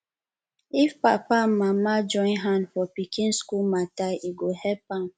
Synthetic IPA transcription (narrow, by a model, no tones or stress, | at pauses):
ifpapam̩mamad͡ʒɔ̃ɪ̃nɦanfɔpikĩnskulmatajʔiɡohɛpam